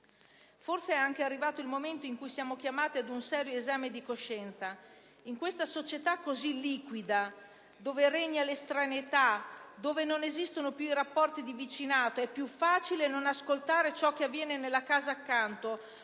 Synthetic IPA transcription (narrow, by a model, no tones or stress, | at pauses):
forseɛaŋk̟earːivaːt̪oilmoment̪oiŋkujsjaːmok̟jamaːt̪iad̪unsɛːɾjoezaːmed̪ikoʃːɛnt̪sa | iŋkwest̪asot͡ʃet̪akːozilːiːkwid̪a | d̪oːvereɲːalest̪ɾanet̪ad̪oːvenonezist̪onopjuiɾapːɔrt̪id̪ivit͡ʃinaːt̪oɛpːjufaːt͡ʃilenonaskolt̪aːɾet͡ʃɔk̟ːeavːjɛːnenelːakaːzaːkːant̪o